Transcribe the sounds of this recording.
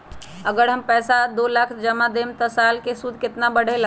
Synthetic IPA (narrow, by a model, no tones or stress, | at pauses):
əɡəɽɦəmpɛːsad̪olakʰd͡ʒəmad̪emt̪ɔsalkesud̪ʱkɪt̪nabəɽ̤el